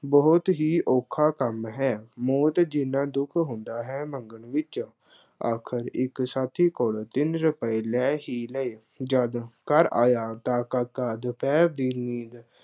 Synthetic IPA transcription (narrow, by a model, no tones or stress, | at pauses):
bɔːt̪ɦiːʔoːkʰaːkəmɦɛːmoːt̪d͡ʒɪnãːd̪ʊkʰɦʊ̃nd̪aːɦɛːməŋɡəɳʋɪt͡ʃ | aːkʰəɾɪksaːt̪ʰiːkolt̪ɪnɾəpəiːlɛːɦiːləeː | d͡ʒəd̪kəɾa̰ːjaːt̪ãːkəkəd̪pʰɛːɾd̪iːniːd̪